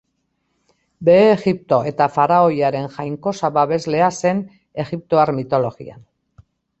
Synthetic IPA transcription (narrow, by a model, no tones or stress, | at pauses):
be̞ːɣip̚t̪o̞ʔe̞t̪afaɾao̞jaɾe̞nʝajŋko̞saβaβe̞zle̞ase̞n | e̞ɣip̚t̪o̞aɾmit̪o̞lo̞ɣḭa̰n